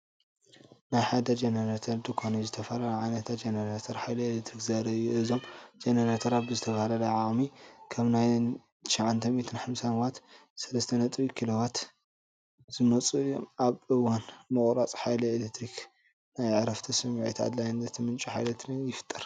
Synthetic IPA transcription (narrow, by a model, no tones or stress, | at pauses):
najħad̪ɐd͡ʒɐnɐɾat̪ʰɐɾd̪ɨkʰonizɨt̪ʰɐfɐlɐlɐʕajnɐt̪ʰat̪̚d͡ʒenɐɾat̪ʰɐɾħajlielekt̪ɾikzɐɾɐɨjuʔɨzo̞md͡ʒenɐɾat̪ʰɐɾat̪̚bɨzɨt̪ʰɐβɐhalɐlɐʕakʼmikʰɐβnaj | t̪ʰʃaʕant̪ʰɐmit̪ʰɨnħamsanwat̪sɐlɐst̪ʰɐnɐt̪ʼβikʰilowat̪ | z̥ɨnɐt͡sʼuɨjomaβʔɨwanmɨkʼɾat͡sʼħajlielekt̪ʰɾik | najʕɾɐft̪ʰɐsɨmʕḛt̪ʰa̰d̪lajnzɐt̪ʰimɨnt͡ʃʼiħa̰jlɐt̪ʰnɨnjɪfɨ̥t̪ʼːɨɾ